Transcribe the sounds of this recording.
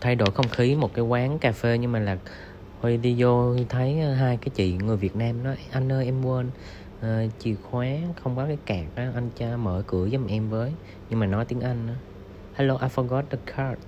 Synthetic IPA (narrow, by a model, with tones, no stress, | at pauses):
t̪ʰa˧jɗo̰˧˩jxə˧wŋ͡mxi˨˦mo˨˩t̚kaː˨˦jkwaː˨˦ŋkaː˧fe˧ɲɨ˧ŋmaː˨˩laː˨˩ | he˧ɗi˧zo˧t̪ʰə˨˦jɦaː˧jkaː˨˦jt͡ɕḭ˧˨ŋɨ˨˩əjvi˨˩ət̚naː˧mnɔ˨˦jʔa˧jŋ̟ʔəː˧ʔɛ˧mwə˧n | ʔəː˨˩t͡ɕi˧˩əxwaː˨˦xə˧wŋ͡mkɔ˨˦kaː˨˦jkaː˨˩k̚ʔaː˨˦ʔa˧jŋt͡ɕa˧məː˧˩kɨ̰˧˩əzʔɛ˧mvəː˨˦j | ɲɨ˧ŋmaː˨˩nɔ˨˦jt̪i˨˦ŋʔa˧jŋ̟ʔː | haː˧˦lo˧ʔa˧fɔ˧ɣɔ˦˥t̚ɗə˧˩kʰa˨˧˥t̚